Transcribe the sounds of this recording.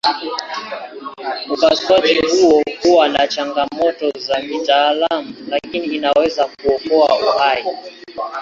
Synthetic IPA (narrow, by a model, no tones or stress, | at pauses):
m̩kaswad͡ʒihuɔhuwanat͡ʃaŋɡamɔtɔzamitaːlamulakiniːnawɛzak̚uɔkɔa̰uhai